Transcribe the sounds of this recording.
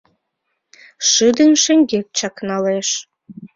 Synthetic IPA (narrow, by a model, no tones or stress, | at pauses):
ʃɨd̪ənʃĕŋɡek̚t͡ɕɑknɑleʃ